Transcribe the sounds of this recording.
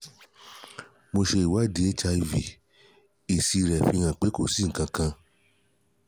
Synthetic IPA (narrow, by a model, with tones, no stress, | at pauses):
mo˧ʃe˧i˨wa˦˨de˨˦e˦t͡ʃa˧i˧vi˨ | e˨si˧ɾɛ˨fĩ˧ã˨k͡pe˨˦ko˦˨si˨˦ŋ̩˨kã˧kã˧